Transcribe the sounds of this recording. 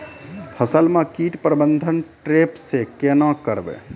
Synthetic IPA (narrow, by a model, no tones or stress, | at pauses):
pʰəsəlmãkiːʈpɾəbənd̪ʱənʈɾeːpsekenãkəɾbḛ̃ː